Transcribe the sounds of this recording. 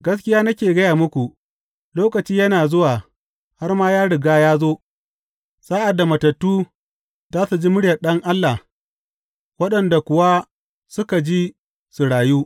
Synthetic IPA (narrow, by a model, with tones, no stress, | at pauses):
ɡɐ˦skʲɪ˦jaː˦nɐ˦kʲeː˨ɡɐ˦jaː˨mʊ˦kʷu˨ | loː˦kɐ˨t͡ʃiː˦jɐ˦naː˨zʊ˦waː˨ | ha˦rmaː˦jaː˦ɽɪ˨ɡaː˦jaː˦zoː˦ | saː˦ʔa˨dːa˨mɐ˨tɐ˨tːuː˦ | zaː˦su˨d͡ʒi˦mʊ˦ɽjɐ˨ɗɐ˦ŋʔa˦lːa˨ | wɐ˦ɗɐ˨nda˨kʷʊ˨wa˦ | sʊ˦ka˨d͡ʒiː˦ | su˨ɽaː˨juː˦